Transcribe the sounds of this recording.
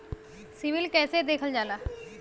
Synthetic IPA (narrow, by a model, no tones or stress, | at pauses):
sɪʋɪlkɛːsed̪eːkʰəld͡ʒaːlaː